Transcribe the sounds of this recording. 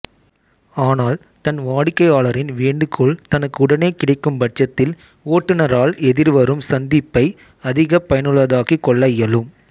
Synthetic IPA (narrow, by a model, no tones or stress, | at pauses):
aːnaːl | t̪ɐnʋaːɽɪkːɐɪaːɭɐɾɪnʋeːɳɖɯkʰːuɭt̪ɐnɐkːɯʊɽɐneːkɪɽɐɪkːɯmbɐʈ̚t͡ʃːɐt̪ːɪl | oːʈːɯnɐɾaːɭɛðɪɾʋɐɾɯmsɐnd̪ɪpːɐɪ | ɐðɪɣɐpɐjɐnɯɭʋɐðaːɣikːɔɭːɐjɐlɯm